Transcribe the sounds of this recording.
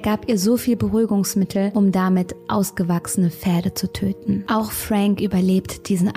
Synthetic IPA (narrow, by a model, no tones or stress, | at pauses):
ɡ̥aːpʔiːɐzoːfiːlbəʁyːɡʊŋsmɪtʰl̩ʔʊmdamɪtʔaʊsɡ̥əvaksən̩əfɛːɐdət͡sutʰøːtn̩ʔaʊxfʁ̥aŋkʔyːbɐleːptd̥iːzn̩